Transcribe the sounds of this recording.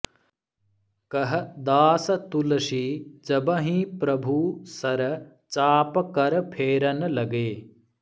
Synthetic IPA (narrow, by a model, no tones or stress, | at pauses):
kɐɦɐd̪aːsɐt̪ulɐʃid͡ʒɐbɐɦĩːpɾɐbʱuːsɐɾ | t͡ʃaːpkɐɾpʰeːɾɐnlɐɡeː